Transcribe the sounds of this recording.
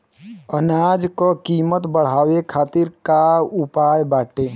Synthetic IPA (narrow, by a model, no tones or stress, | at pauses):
ənaːd͡ʒkokiːmət̪bəɽ̤aːwekʰaːt̪ɪɾkaʊpaːjbaːʈeː